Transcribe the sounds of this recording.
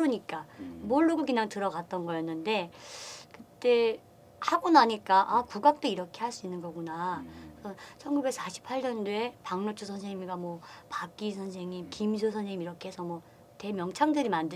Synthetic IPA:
ɯɲik͈amoɭːuɡɯɭkɯɲaŋtɯɾʌɡat͈̚ʌnɡʌjʌnːɯnde̞kɯt͈e̞ | haɡunaɲik͈aʔakuɡak̚t͈oiɾʌkʰe̞ɦaɭs͈uinːɯnɡʌɡunakɯsʰʌt͡ɕʰʌnɡube̞k̚s͈aɕʰi̥pʰaɭɲʌndue̞paŋnot͡ɕʰusʰʌnsʰe̞ŋimɡamwʌpak͈isʰʌns̬ʰe̞ŋimkimisʰosʰʌnsʰeŋimiɾʌkʰe̞ɦesʰʌmwʌ | te̞mjʌŋt͡ɕʰaŋdɯɾimandɯ

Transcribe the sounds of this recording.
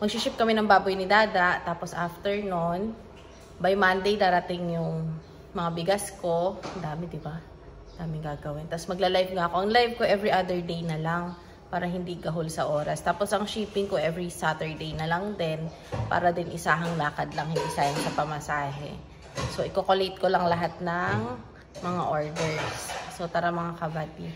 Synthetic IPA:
mɐɡ̚ʃiʃɪp̚kɐmɛnɐŋbaːbojnɪd̪aːd̪ɐʔt̪aːposʔaft̪ɛɹnon | bajmand̪ejd̪aːɾɐt̪ɪŋjʊŋ | mɐŋabɪɡasko̞ʔɐnd̪aːmɛd̪ɪba | ɐnd̪̥aːmɪŋɡaɡɐwɪnt̪ɐsmɐɡ̚lɐlajvŋaʔɐko̞ʔɐŋlajvko̞ʔɛvɹiʔad̪ɛɹd̪ejnɐlaŋ | paːɾɐɦɪnd̪iɡɐɦolsɐʔo̞ːɾɐst̪aːpo̞sʔɐŋʃiːpɪŋko̞ʔɛvɹisat̪ɛɹd̪ejnɐlɐŋd̪ɛn | pa̰ːɾɐd̪ɪnʔɪsaːɦɐŋlaːkɐd̪lɐŋhɪnd̪isaːhɪŋsɐpɐmɐsaːɦɛ̰ | so̞ʔɪkokolɛjt̪̚kolɐŋlɐɦat̪̚nɐŋ | mɐŋaʔoɹd̪ɛɹsːot̪aːɾɐmɐŋakɐbat̪̚

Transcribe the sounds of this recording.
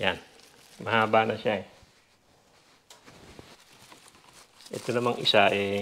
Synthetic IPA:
jan | mɐhaːbanɐʃaɛ | ʔɛ̰t̪onɐmaŋʔɪsaʔɛ

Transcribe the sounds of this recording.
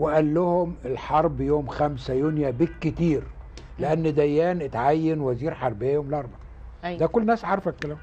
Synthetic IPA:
weʔælːʊhʊmelħɑɾˤbjoːmxæmsæjonjæbekːɪt̪iːɾ | leʔænːd̪æjːæːnʔɪt̪ʕajːenwæziːɾħɑɾˤbejːæjoːmlʔɑɾˤbɑ | d̪ækolːnæːsʕɑɾˤfækːelæ

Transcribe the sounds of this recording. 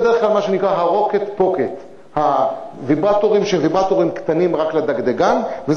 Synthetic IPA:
d̪eʁeχklalmaʃenikʁaɦaʁo̞ket̪po̞ket̪ | havibʁat̪oʁimʃeevibat̪oʁimkt̪animʁakled̪aɡd̪eɡanvez

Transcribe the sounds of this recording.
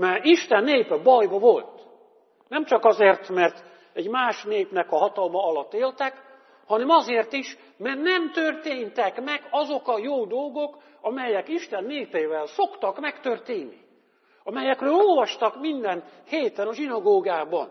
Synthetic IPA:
mɛiʃt̪ɛnːeːpɛbɒjbɒvo̞lt̪ | nɛmt͡ʃɒkɒzeːrt̪mɛrt̪ | ɛɟmaːʃneːpnɛkɒɦɒt̪ɒlmɒɒlɒt̪ːeːlt̪ɛk | hɒnɛmɒzeːrt̪iʃ | mɛrnɛmt̪ørt̪eːnt̪ɛkmɛɡɒzo̞kɒjoːd̪o̞lɡo̞k | ɒmɛjɛkiʃt̪ɛnːeːpeːvɛlso̞kt̪ɒkmɛkt̪ørt̪eːnːi | ɒmɛjɛkrøːlo̞lvɒʃt̪ɒkmind̪ɛnheːt̪ɛnɒʒinɒɡoːɡaːbɒn

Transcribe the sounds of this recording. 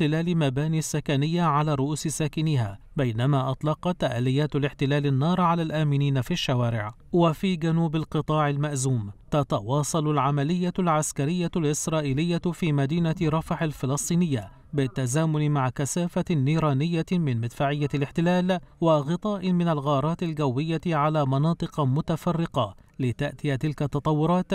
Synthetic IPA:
ɪlaːlɪmabaːniːsːakanɪjːaʕalaːɾˤʊʔuːsɪsaːkɪnɪha̰ː | bajnamaʔɑt̪ˤlɑqɑt̪ːaʔaːlɪjːaːt̪lɪħt̪ɪlaːlɪnːɑːɾˤʕalaːlʔaːmɪniːnafiʃːawaːɾɪʕ | wafiːɡanuːbalqɨt̪ˤɑːʕɪlmaʔzuːmt̪at̪ɑwɑːsˤɑlʊlʕamalɪjːalʕaskaɾɪjːalʔɪsɾˤɑːʔiːlɪjːafiːmad̪iːnaɾˤɑfħalfɪlɨsˤt̪ˤiːnɪjːa | bɪt̪ːazaːmʊnɪmaʕkasaːfanːiːɾˤɑːnɪjːamɪnmɪd̪faːʕɪjːalɪħt̪ɪlaːlwɪɣɨt̪ˤɑːʔɪmɪnalɣɑːɾˤɑːt̪ɪlɡawːɪjːaʕalaːmɑnɑːt̪ˤɨqɑmʊt̪afɑrːɪqɑ | lɪt̪aʔt̪ɪjat̪ɪlkat̪ːɑt̪ˤɑwːʊɾˤɑːt̪

